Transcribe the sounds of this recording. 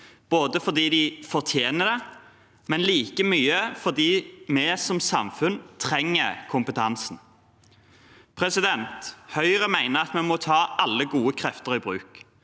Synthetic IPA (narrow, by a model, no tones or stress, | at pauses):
b̥oːd̪əfɔʁd̪iːd̪ɪfɔʁt̪ʰjeːnəd̪ɛ | mɛnliːkəmyːəfɔʁd̪iːmɛsɔmsɑmfʉnt̪ʰʁɛŋːəkʰʊmpət̪ʰɑnsn̩ | pʰɾɛsɪd̪ɛnt̪hœʏʁəmæɪnəʁɑt̪mɛmɔt̪ʰɑːʔɑlːəɡuːəkʰɾɛft̪əɾɪbʁʉ̰ːk